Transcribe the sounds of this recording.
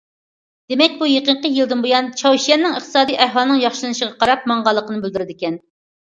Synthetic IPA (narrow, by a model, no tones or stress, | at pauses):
d̪̥emɛk̚ʲbujeqəɴqəjɨlˠd̪ɨnbojɑnt͡ʃʰɑwʃijɛnːɨŋəχt̪ʰɨ̥sɑːd̪ijʔæhwɑlˠnɨŋjɑχʃɨlˠɨnɨʃəʁɑqɑɾɑp̚mɑɴʁɑlˠːəqənɨbɪld̪yɾɪd̪ɪkʲɛn